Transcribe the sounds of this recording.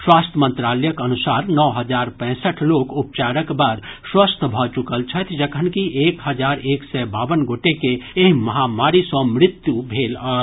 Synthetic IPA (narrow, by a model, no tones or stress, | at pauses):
swaːst̪ʰəmə̃nt̪ɾaːləjəkɐnʊsaːɾnɔːɦəd͡ʒaːɾpɛ̃ːsəʈʰloːkʊp̚t͡ʃaːɾəkbəɾswəst̪ʰbʱɔt͡ʃʊkəlt͡ʃʰət̪ʰd͡ʒəkʰənkiʔeːkɦɐd͡ʒaːɾeːksɛbaːʋənɡoːʈekeeɦmɐɦamaːɾisɔ̃mɾɪt̪jubʱeːlɔ